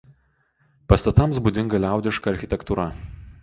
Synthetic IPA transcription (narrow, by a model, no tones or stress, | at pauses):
pɐst̪ɐt̪ɐmsbud̪ʲɪŋɡɐlʲæˑʊd̪ʲɪʃkɐɐɾʲxʲɪt̪ʲɛkt̪uɾɐ